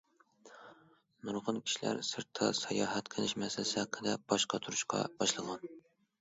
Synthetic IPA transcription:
nuɾʁənkʲʰi̥ʃilæ̰ɾsɨɾt̪ʰːɑsɑjɑːɦɛt̪kʰənɪʃmɛsɪlɪsɪhæqʰːəd̪ɛb̥ɑʃqʰɑt̪ʰuɾuʃqɑ̰b̥ɑʃlˠəʁɑn

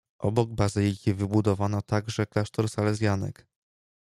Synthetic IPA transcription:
ʔɔbɔɡ̚bazɘlʲikʲivɘbud̪ɔvanat̪aɡʐɛklaʂt̪ɔɾsalɛzʲjanɛ̰k

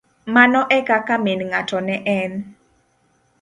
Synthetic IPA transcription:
manɔʔɛkakamenŋatɔnɛʔɛn

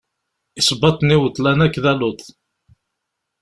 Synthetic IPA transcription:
isˤbɑt̪ˤniwət̪ˤːlænækːðælʊt̪

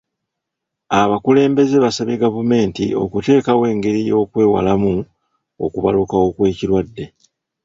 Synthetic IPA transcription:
aβakule̞ːmbe̞ze̞βasaβeɡavume̞ːntḭo̞̰kute̞ːkawe̞ːŋɡe̞ɾijo̞ːkwe̞ːwa̰lamu | o̰kuβa̰lukao̞kwe̞ːcilwadːe̞

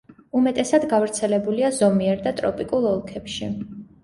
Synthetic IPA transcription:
umɛt̪ʼɛsad̪ɡavɾt̪sʰɛlɛbuliazɔmiɛɾd̪at̪ʼɾɔ̰pʼikʼulˠɔlˠkʰɛpʃi

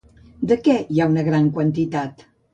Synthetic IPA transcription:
d̪əkɛjaunəɣɾaŋkwənt̪it̪at̪

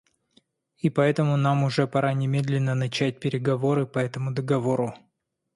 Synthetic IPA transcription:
ipɐɛt̪əmʊnamʊʐɛpɐɾanʲɪmʲe̞d̪lʲɪnːənɐt͡ɕæt̚ʲpʲɪɾʲɪɡɐvoɾɨpɐɛt̪əmʊd̪əɡɐvo̞ɾʊ

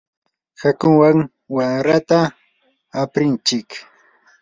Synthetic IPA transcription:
hakʊŋwaŋ | waŋɾat̪aː | pɾɪnt͡ʃɪk

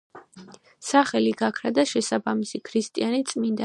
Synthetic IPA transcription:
saχɛliɡakʰɾad̪aʃɛsabamisikʰɾist̪ʼianit̪sʼmind̪a

